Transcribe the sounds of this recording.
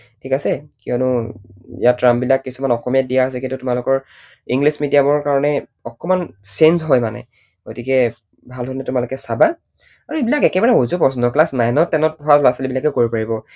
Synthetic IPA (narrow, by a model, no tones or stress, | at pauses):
tʰikasɛkiɔnʊijatɹambilakːisumanɔxɔmijadijaas̬ɛkĩntutʊmalʊkɔɹ | iŋɡlismidijabɔɹkaɹɔnɛ | ɔkɔmansensɦɔjmanɛ̰ | ɡ̥otikɛ | bʱalɦonɛtʊmalʊkɛsabaj | aɹuebilakɛkɛbaɹɛozupɔsɔndɔklasnajnɔtːɛnɔt̚bʱɔalɔasalibilakɛkoɹipaɹibɔ